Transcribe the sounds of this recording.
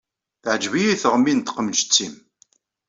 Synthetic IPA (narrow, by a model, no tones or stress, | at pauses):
θʕd͡ʒvijiθəʁmːint̪qəmd͡ʒt͡sːim